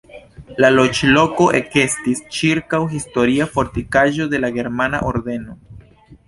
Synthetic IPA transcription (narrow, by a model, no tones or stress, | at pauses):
lalo̞t͡ʃlo̞ko̞ʔe̞kestist͡ʃiɾkawɦisto̞ɾiafo̞ɾtikaʒo̞de̞laɡe̞ɾmana̰ʔo̰ɾde̞no̞